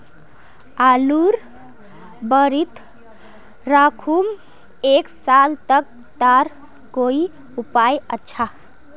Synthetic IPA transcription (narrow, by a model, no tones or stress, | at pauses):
aluɾ | bəɾit̪ | ɾakʰum | eksalt̪ək̚ | t̪aɾ | koi | upajətːʃʰa